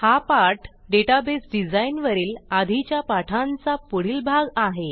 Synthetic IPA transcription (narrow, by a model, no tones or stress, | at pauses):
hapaɾʈɖeʈabesɖid͡zainʋəɾiːlad̪ʱit͡ɕjapaʈʰãnt͡sapuɽ̤iːlbʱaɡaɦe